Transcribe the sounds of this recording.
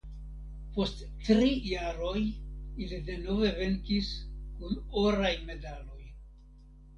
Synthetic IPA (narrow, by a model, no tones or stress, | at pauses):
po̞st | tɾijaɾo̞jilide̞no̞ve̞ve̞ŋkiskunoɾajme̞dalo̞j